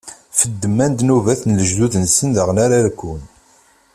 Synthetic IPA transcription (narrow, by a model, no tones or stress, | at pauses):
fəd̪ːəmːænd̪nuvæθnləʒðuðənsənðəʁnaɾalkʷːun